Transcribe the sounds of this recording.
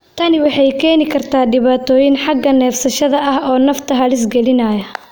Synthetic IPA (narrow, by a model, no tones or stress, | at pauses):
t̪ʰɐnɪwɑħɑjkʰɛːnɪkʰɐrt̪ʰaːɖɪβaːt̪ʰɔːjɪnħɑɡːɐnɛːfsɐʃɐðɐʔɐhɔːnɐft̪ʰɐɦɐlɪs̬ɡɛlɪnɐːjɐ